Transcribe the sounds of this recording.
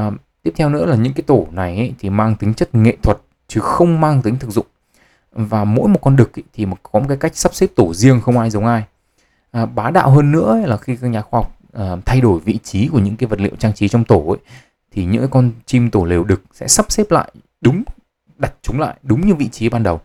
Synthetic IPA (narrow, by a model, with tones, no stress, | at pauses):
t̪i˦˥əp̚t̪ʰɛ˧wnɨ̰˧˥əlaː˨˩ɲɨ̰˧˥ŋkaː˨˦jt̪o˧˩na˨˩jʔə˨˦jt̪ʰi˨˩maː˧ŋt̪ï˨˦ŋ̟t͡ɕə˦˥t̚ŋḛ˧˨t̪ʰwə˨˩t̚ | t͡ɕɨ˨˦xə˧wŋ͡mmaː˧ŋt̪ï˨˦ŋ̟t̪ʰɨ˨˩k̚zʊ̰˧˨ŋ͡m | vaː˨˩mo̰˧˥jmo˨˩t̚kɔ˧nɗɨ˨˩k̚t̪ʰi˨˩˨kɔ˨˦mo˨˩kaː˨˦ka˦˥jk̟̚sa˦˥p̚se˦˥p̚t̪o˧˩zi˧əŋxə˧wŋ͡mʔaː˧jzə˨˦wŋ͡mʔaː˧j | ʔəː˨˩ɓaː˨˦ɗa̰ː˧˨wɦəː˧nːɨ̰˧˥ə˦laː˨˩xi˧kaː˧ɲaː˨˦xwaː˧hwk͡p̚ʔəː˨˩t̪ʰa˧jɗo˧˩jvḭ˧˨t͡ɕi˨˦ku˧˩əɲɨ̰˧˥ŋkaː˨˦jvə˨˩t̚lḭ˧˨wt͡ɕaː˧ŋt͡ɕi˨˦t͡ɕɔ˧wŋ͡mt̪o˧˩ʔə˨˦j | t̪ʰi˨˩ɲɨ̰˧˥ŋ˨˦kɔ˧nt͡ɕi˧mt̪o˧˩le˨˩wɗɨ˨˩k̚sɛ̰˧˥sa˦˥p̚se˦˥p̚la̰ː˧˨j | ɗʊ˨˦ŋ͡m | ɗa˨˩t̚t͡ɕʊ˨˦ŋ͡mla̰ː˧˨jɗʊ˨˦ŋ͡mɲɨ˧vḭ˧˨t͡ɕi˨˦ɓaː˧nɗə˨˩w